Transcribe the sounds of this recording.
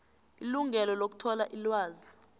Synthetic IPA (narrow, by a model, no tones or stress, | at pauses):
iluŋʱɛlɔlok̬u̥tʰɔlaʔilwaːzi